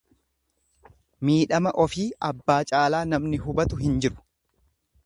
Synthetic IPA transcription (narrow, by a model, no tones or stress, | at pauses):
miːᶑɐmɐʔɔfiːʔɐbːaːt͡ʃʼaːlaːnɐmnɪɦʊbɐt̪ʊɦɪnd͡ʒɪɾʊ̥